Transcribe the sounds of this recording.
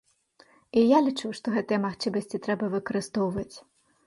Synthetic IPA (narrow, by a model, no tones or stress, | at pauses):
ijalʲit͡ʂuwʂt̪ɔɣɛt̪ɨjɐmaxt͡ʂɨmɐsʲt͡sʲit̪ɾɛbɐvɨkɐɾɨst̪ɔwvɐt͡sʲ